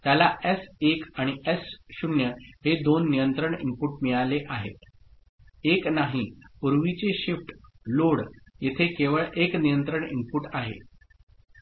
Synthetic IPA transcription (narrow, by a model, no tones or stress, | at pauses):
t̪jalaʔesekaɽ̃iesɕunjəhed̪onːijənt̪ɾəɳḭmpuʈmiɭaleʔaɦḛt̪ | eknaɦipuɾʋit͡seɕifʈ | loɽjet̪ʰekeʋəɭʔeknijənt̪ɾəɳimpuʈaɦḛ